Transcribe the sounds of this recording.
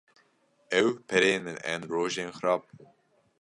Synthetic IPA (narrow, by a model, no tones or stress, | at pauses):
ɛwpʰɛɾeːnɨnɛ̰nɾoːʒeːnxɨɾɑːb̚uː